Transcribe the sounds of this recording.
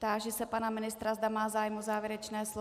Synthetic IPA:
t̪aːʒɛsɛpanamɪnɪst̪ɾazd̪amaːzaːjmozaːvjɛɾɛt͡ʃnɛːs

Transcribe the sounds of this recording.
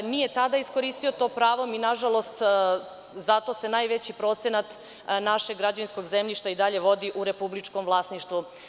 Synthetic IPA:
nije̞t̪ad̪aisko̞ɾiːst̪io̞t̪o̞ːpɾaːʋominaʒalˠo̞st̪ | zat̪o̞se̞najʋe̞t͡ɕipɾo̞t̪senat̪ | naʃeɡːɾad͡ʑaʋinsko̞ɡzemʎiʃt̪aid̪aʎe̞ʋo̞d̪iʔuɾe̞publit͡ʃko̞mʋlˠaːsniʃt̪ʋu

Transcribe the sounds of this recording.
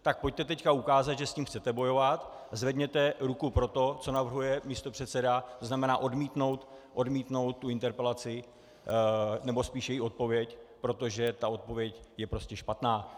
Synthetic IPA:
t̪ak̚po̞c̚t̪ɛt̪ɛckaukaːzad̪ʒɛsciːmxt͡sɛt̪ɛbo̞jo̞vat̪ | zvɛdɲɛt̪ɛɾukupɾo̞t̪o̞t͡so̞navr̩ɦujɛmist̪o̞pr̥ɛt̪sɛdat̪oznamɛnaːʔo̞dmiːt̪no̞wt̪ʔo̞dmiːt̪no̞wt̪̚ːuɪnt̪ɛɾpɛlat͡sɪ | nɛbo̞spiːʃjɛjiot̪̚po̞vjɛcpɾo̞t̪o̞ʒɛt̪ao̞t̪̚po̞vjɛcjɛpɾo̞scɛʃpat̪naː

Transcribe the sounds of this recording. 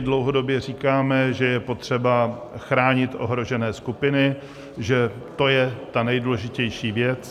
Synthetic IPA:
dlo̞wɦo̞do̞bjɛr̝iːkaːmɛʒɛjɛpo̞t̪r̝̥ɛbaxɾaːɲɪt̪ʔo̞̰ɦɾo̞ʒɛnɛːskupɪnɪ | ʒɛt̪o̞jɛt̪anɛjduːlɛʒɪcɛjʃiːvjɛt͡s

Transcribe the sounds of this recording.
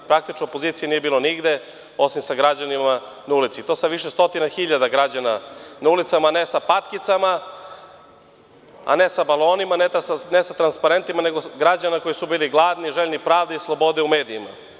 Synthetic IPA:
pɾak̚t̪it͡ʃnoopo̞ziːt̪sijeniːje̞biːlo̞niɡd̪e | o̞simsaɡɾad͡ʑanima | naulit̪sit̪o̞ːsaʋiʃest̪o̞t̪inaxiʎad̪aɡɾad͡ʑananaulit̪samaːne̞sapat̪kit̪sama | a̰ne̞sabalˠo̞ːnimanenesat̪ɾanspaɾe̞nt̪imaneɡo̞ɡɾad͡ʑanako̞jisubiːliɡlˠaːd̪niʒeʎnipɾaːʋd̪eislˠo̞bo̞d̪eume̞ːd̪iːma̰

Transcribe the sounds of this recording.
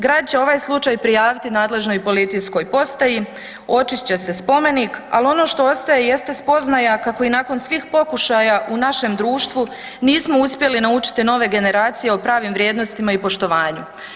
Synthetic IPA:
ɡɾaːd̪̚t͡ɕe̞o̞ʋaːjslˠut͡ʃaːjpɾijaːʋit̪inaːd̪le̞ʒno̞jpo̞lit̪isko̞jpo̞st̪aji | o̞t͡ʃit͡ɕe̞se̞spo̞me̞niːka̰lio̞no̞ːʃt̪o̞o̞st̪aje̞jest̪e̞spo̞znajakakoinaːko̞nsʋiːxpo̞kuʃajaʔunaʃe̞md̪ɾuːʃt̪ʋu | niːsmo̞uspje̞linaut͡ʃi̥t̪ino̞ʋe̞ɡe̞ne̞ɾaːt̪sije̞o̞pɾaːʋimʋɾje̞ːd̪nost̪imaipo̞ʃt̪o̞ʋaːɲu

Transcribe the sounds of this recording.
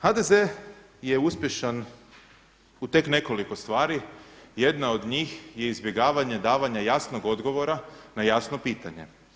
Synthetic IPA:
xad̪e̞ze̞ | je̞uspʲje̞ʃan | ut̪e̞kne̞ko̞liko̞st̪ʋaːɾije̞d̪naod̪ɲiːxje̞izbje̞ɡaːʋaɲe̞d̪aːʋaɲajasnoɡo̞d̪ɡo̞ʋo̞ɾanajasnopiːt̪aɲe̞̰

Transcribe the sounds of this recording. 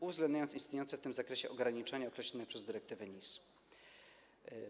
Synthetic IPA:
uvzɡlɛnd̪ɲajɔnt̪sʲist̪nɲejɔnt̪sɛft̪ɘmzakɾɛɕɛʔɔɡɾaɲit͡ʂɛɲaɔkɾɛɕlɔnɛpʂɛzd̪ɘɾɛk̚t̪ɘvɛɲis

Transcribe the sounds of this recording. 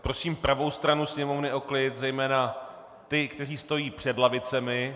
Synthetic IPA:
pɾo̞siːmpɾavo̞wst̪ɾanusɲɛmo̞vnɪʔo̞klɪt̪zɛjmɛːna | t̪ɪkt̪ɛriːst̪o̞jiːpr̝̥ɛdlavɪt͡sɛmɪ

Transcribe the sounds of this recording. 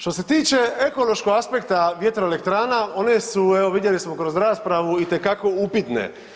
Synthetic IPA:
ʃt̪o̞se̞t̪iːt͡ʃe̞eko̞lo̞ʃko̞ɡaspe̞kt̪aʋje̞t̪ɾoelekt̪ɾaːnao̞nesueʋo̞ʋid̪je̞lismo̞kɾo̞zɾaːspɾaʋuit̪e̞kako̞upit̪nḛ

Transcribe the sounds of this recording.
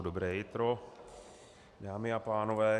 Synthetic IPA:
d̪ɔbɾɛːit̪ɾɔ | d̪aːmiapaːnɔʋɛː

